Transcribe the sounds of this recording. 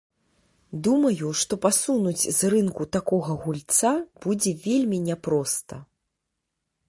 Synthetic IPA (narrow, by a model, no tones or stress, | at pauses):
d̪umɐjuʂt̪ɔpasunud͡zʲzrɨnkut̪akɔɣɐɣulʲt̪sab̥ud͡zʲɛvʲelʲmʲinʲɛpɾɔst̪ɐ